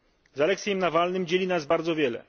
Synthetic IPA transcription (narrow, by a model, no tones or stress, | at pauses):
zalɛk̚tsʲjɛmnavalnɘmd͡ʑelʲinasbaɾd̪zɔvʲjɛlɛ̰